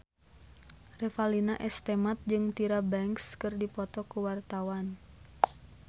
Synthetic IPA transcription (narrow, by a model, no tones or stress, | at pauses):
rɛfalinaʔɛst̪ɛmat̪̚d͡ʒɨŋt̪iɾabɛŋkskɨrdipɔt̪ɔkuwart̪awan